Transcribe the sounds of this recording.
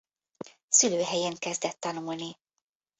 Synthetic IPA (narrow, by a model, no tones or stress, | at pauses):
syløːɦɛjeŋkɛzd̪ɛt̪ːɒnuːlni